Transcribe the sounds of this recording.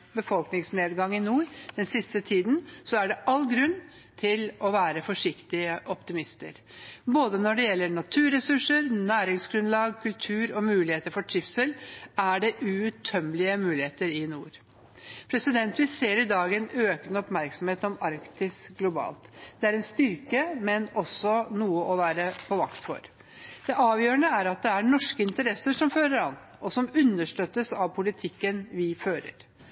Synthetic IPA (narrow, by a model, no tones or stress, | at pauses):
bəfɔlknɪŋsneːd̪ɡɑŋːɪnuːɾd̪̥ɛnsɪst̪ət̪ʰiːd̪nsɔæɖɛʔɑlːɡɾʉnː | t̪ʰɪlɔʋæːɾəfɔʂɪkt̪ɪəʔɔpt̪ɪmɪst̪ə̰ɾ | boːd̪ənɔɖɛjɛlːəɳɑt̪ʰʉːɾɛsʉʂəɾnæːɾɪŋsɡɾʉnlɑːɡkʰʉlt̪ʰʉːɾɔmʉːlɪheːt̪əɾfɔʈʰɪfsəlæɖɛʔʉʉt̪ʰːœmːlɪəmʉːlɪheːt̪əɾɪnṵːɾ | pʰɾɛsɪd̪ɛnt̪ʋɪseːɾɪd̪ɑːɡɛnøːkənɔpmæɾksɔm̩heːt̪ɔmɑɾkt̪ɪsɡlʊbɑ̰ːlt̪d̪̥ɛæɾɛnst̪ʏɾkəmɛnɔsːɔnuːəʔɔʋæːɾəpʰɔʋɑkt̪fɔ̰ɾ | d̪̥ɛʔɑːʋjøːɾəɳəæɾɑt̪̚d̪ɛæɳɔʂkəɪnt̪əɾɛsəʂɔmføːɾəɾɑn | ɔsɔmʉnːəʂʈøːt̪ːəsɑʋpʰʊlɪt̪ʰɪkːənʋɪføːɾə̰ɾ